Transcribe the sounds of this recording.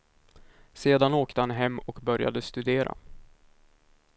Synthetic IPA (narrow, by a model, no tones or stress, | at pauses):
seːd̪anoːkt̪əhanɦɛmːɔkbœɾja̰d̪əst̪ɵd̪eːɾa̰